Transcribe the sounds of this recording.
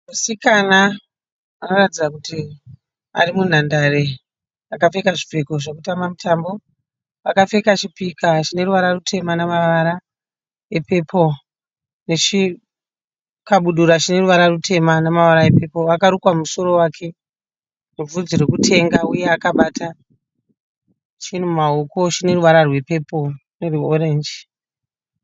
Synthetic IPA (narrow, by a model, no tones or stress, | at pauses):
masikana | anoratid͡zakuti | a̰rimun̤andare | akafe̞kaʐifeko̞ʐekutamamitambo̞ | ʋakafe̞kat͡ʃipikat͡ʃine̞ɾuʋaɾarutʰe̞manamaʋaɾa | epe̞pʰo̞ | ne̞t͡ʃi | kaɓuɗuɾat͡ʃine̞ruʋaɾarutʰe̞manamaʋaɾaepe̞po̞ʋakaɾukwamuso̞ɾo̞wakʰe̞ | ruvud͡ziɾekutʰe̞ŋɡauje̞akaɓaːtʰa | t͡ʃin̤uumao̞ko̞t͡ʃine̞ɾuʋaɾarwe̞pe̞po̞ne̞rioɾe̞nd͡ʒi